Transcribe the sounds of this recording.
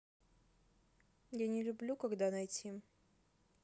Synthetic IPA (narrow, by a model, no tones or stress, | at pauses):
janʲɪlʲʊblʲukɐɡd̪anɐjtʲʰi